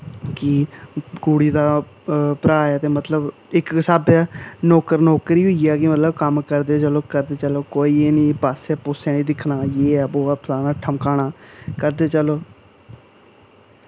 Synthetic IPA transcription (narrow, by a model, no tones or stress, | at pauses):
kɪɡuːɽiːd̪aː | pɾaːɛːt̪eːmət̪ləb | ɪksaːbaːnoːkəɾnɔːkəɾiːɦʊiɛːkɪmət̪ləbkəmkəɾd̪eːt͡ʃəloːkəɾd̪eːt͡ʃəloːkoːiːeːnĩːpaːsɛːpʊsɛ̃ːnĩːd̪ɪkʰːnaːjeːɛːboːaːpʰlaːnaːʈʰəmkaːnaːkəɾd̪eːt͡ʃəloː